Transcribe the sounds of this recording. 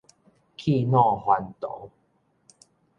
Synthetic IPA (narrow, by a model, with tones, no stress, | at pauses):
kʰi˥˧˨nɔ̃˥˧˨hwa˨˧˦nt̪o̰˨˦